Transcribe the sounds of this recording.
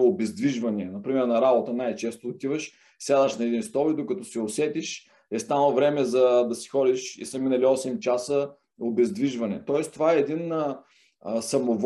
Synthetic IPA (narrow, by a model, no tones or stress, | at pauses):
obɛzd̪viʒvɐniɛnɐpɾimɛɾnɐɾabot̪ənajt͡ʃɛst̪oot̪ivəʃ | sʲad̪ɐʃnɐɛd̪inst̪ɔlid̪okɐt̪ɔsɛosɛt̪iʃ | ɛst̪anˠvɾɛmɛzɐd̪ɐsi̥xɔd̪iʃḭsəminɐliɔsɛmt͡ʃasə | obɛzd̪viʒvɐnɛ̰t̪ɔɛst̪ovaɛːd̪in | sɐmov